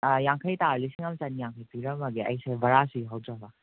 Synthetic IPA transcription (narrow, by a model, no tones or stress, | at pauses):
jaŋkʰəjtaɾlisiŋɐmt͡ʃanijaŋkʰəjpiɾɐmɐɡeɐ̰jsabɐɾasiɦawd͡ʒabɐ